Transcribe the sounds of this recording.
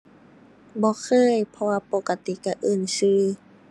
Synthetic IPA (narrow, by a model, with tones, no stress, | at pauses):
bɔː˧˦kʰɤː˧˥˨jpʰɔ˧waː˧po˧ka˧t̪i˧˩˨ka˧˩ʔɤː˧˩˨nsɯː˧˩